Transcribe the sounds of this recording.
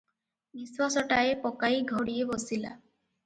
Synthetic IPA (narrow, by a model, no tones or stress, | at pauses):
biswasɔʈaepɔkaiɡʱɔɽiebɔsila̰